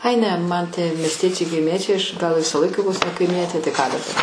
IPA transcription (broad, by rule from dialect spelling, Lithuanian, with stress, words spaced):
ɐɪ ˈnʲɛ mɐn tʲiɛ mʲiɛsʲˈtʲiɛt͡ʃʲɛɪ kɐɪˈmʲiɛt͡ʃʲɛɪ ˈɐʃ ˈɡɐlˠ ˈʋʲɪsɐ ˈlˠɐɪkɐ ˈʋoːs nʲɛ kɐɪˈmʲiɛtʲeː tɐɪ kɑː dɐˈbɐr